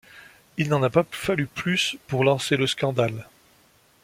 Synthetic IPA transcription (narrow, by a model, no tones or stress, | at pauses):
ilnɑ̃napafalyplyspuʁlɑ̃seləskɑ̃d̪al